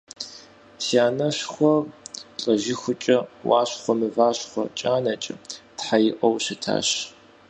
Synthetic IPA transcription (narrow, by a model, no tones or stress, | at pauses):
siaːnɐɕχʷɔɬʼɐʒɪxʷʊt͡ʃʼɐwaːɕχʷɔmɨvaːɕχʷɔ̰t͡ʃʼaːnɐt͡ʃʼɐtħajɪʔʼɐwɕɪtʰa̰ːɕ